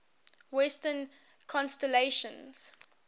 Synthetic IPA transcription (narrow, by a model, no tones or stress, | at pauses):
wɛstən | kʰɔ̃nstɛleʃə̃nz̥